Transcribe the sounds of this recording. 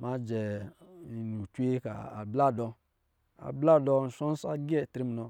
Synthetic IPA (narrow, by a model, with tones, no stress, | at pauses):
ma˨˦d͡ʒɛ˨i˨nu˨t͡ʃʷe˦ka̰˨a̰˨bla˦˨dɔ˧ | a̰˨bla˦˨dɔ˧n̩˨ʃɔ˦n˦sa˦ɡɛ˦˨tɾi˦m˨nɔ˧